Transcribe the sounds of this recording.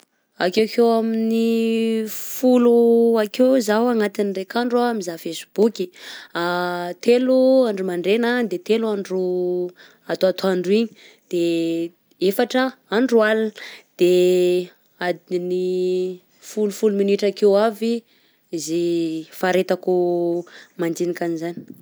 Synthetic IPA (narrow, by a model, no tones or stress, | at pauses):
a̰kewkewamini | fuluakewzawaŋat̪inrekaɳɖ͡ʐuamizafesi̥b̥ukiat̪eluaɳɖ͡ʐumaɳɖ͡ʐenad̪et̪eluaɳɖ͡ʐu | at̪uat̪uaɳɖ͡ʐiɲi̥ | d̪̥e | efaʈ͡ʂəaɳɖ͡ʐualand̪̥e | ad̪ni | fulufuluminiʈ͡ʂakewavi | zefaɾet̪aku | mand͡ʒ̪inikanizani̥